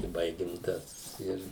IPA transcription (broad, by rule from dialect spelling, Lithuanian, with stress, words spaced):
ɪ ˈbɐɪɡʲɪm ˈtɐs ˈɪr